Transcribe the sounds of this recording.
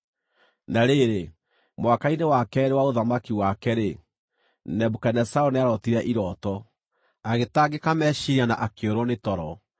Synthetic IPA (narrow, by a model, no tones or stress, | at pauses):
naɾeɾe | mwakainewakɛɾewaoðamakiwakɛɾe | nɛbukanɛsaoneaɾɔtiɾɛʔiɾɔtɔ | aɣetaɡekamɛʃiɾiana̰ʔakeoɾwɔnetɔɾɔ